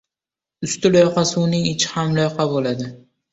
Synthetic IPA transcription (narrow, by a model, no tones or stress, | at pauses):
ʊst̪ɪlojqʰɑsɪʊnɪŋɪt͡ʃʰɪ̥hamlˠojqʰɑbolad̪ɪ